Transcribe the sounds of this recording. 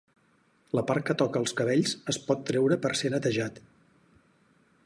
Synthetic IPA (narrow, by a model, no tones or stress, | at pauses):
ləpaɾ̚kət̪ɔkəːlˠskəβ̞eʎzəspɔt̪ːɾɛwɾəpəɾsenət̪əʒat̪